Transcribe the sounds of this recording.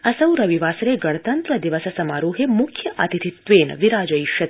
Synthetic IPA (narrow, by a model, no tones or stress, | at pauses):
ɐsɐwɾɐʋiʋaːsɐɾeːɡɐɽ̃ɐt̪ɐnt̪ɾɐd̪iʋɐsɐsɐmaːɾuːɦemukʰjɐʔɐ̰t̪it̪ʰit̪ʋeːn̰ʋiɾaːd͡ʒɐjʃɐt̪